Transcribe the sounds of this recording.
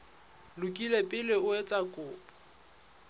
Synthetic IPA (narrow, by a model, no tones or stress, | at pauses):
lʊkʼilepʼɪlɪʊet͡sʼakʼʊːpʼɔ